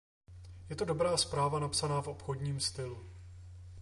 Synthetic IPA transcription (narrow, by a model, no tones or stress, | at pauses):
jɛt̪o̞do̞bɾaːspɾaːvanapsanaːfʔo̞pxo̞dɲiːmst̪ɪlu